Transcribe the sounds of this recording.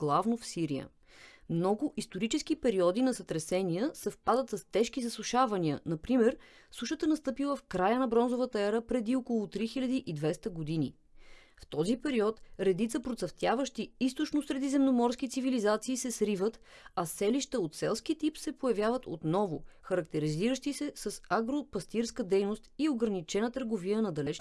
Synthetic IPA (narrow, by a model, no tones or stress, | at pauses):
ɡ̥lˠavnofsiɾḭə̰ | mnɔɡʊʔist̪oɾit͡ʃɛskipɛɾiɔd̪inɐsət̪ɾɛsɛniəsəfpad̪ət̪səst̪ɛʃk̟izəslˠuʃavɐniə̰nɐpɾimɛɾsuʃət̪ənɐst̪ɤpilˠəfkɾajənɐbɾɔnzovət̪əɛɾəpɾɛd̪iokolˠʊt̪ɾixilʎʲɐd̪iʔid̪vɛst̪əɡod̪inḭ | ft̪ɔzipɛɾiɔt̪ɾɛd̪it̪səpɾot̪sɐft̪ʲjavəʃt̪iist̪ot͡ʃnosɾɛd̪izɛmnomɔɾsk̟it̪sivilizat̪siːsɛsɾivət̪ | ɐsɛliʃt̪əot̪sɛlˠskit̪ipsɛpojɐvjavət̪o̰t̪nɔvʊ̰xɐɾɐk̚t̪ɛɾiziɾəʃt̪isɛsəsaɡɾopɐst̪iɾskəd̪ɛjnost̪ioɡɾɐənit͡ʃɛnət̪əɾɡoviənɐd̪ɐlɛt͡ʃ